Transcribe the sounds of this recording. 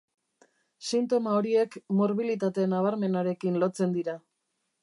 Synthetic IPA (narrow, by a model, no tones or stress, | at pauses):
sint̪o̞mao̞ɾie̞kmo̞ɾβilit̪̬at̪e̞naβ̞aɾme̞naɾe̞kinlo̞t͡se̞nd̪iɾa